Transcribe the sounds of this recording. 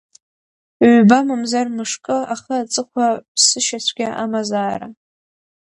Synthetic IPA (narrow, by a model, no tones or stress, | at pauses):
bamɨmzarmɨʂkʼɨaχət͡sʼɨχʷʰapʰsɨʃasʷʰɡʲaʔamazaːɾa̰